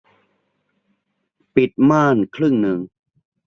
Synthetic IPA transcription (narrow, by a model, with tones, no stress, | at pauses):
pi˨˩t̪̚maː˥˩nkʰɾɯ˥˩ŋnɯ˨˩ŋ